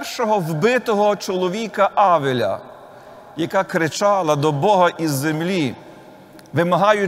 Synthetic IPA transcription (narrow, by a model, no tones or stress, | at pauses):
rʃɔɦɔwbɪt̪ɔɦɔt͡ʃɔlˠɔʋʲikɐʔɑʋelʲɐ̰ | jɐkakɾɪt͡ʃɑlˠɐd̪ɔbɔɦɐʔizːemlʲi | ʋɪmɐɦɑjʊ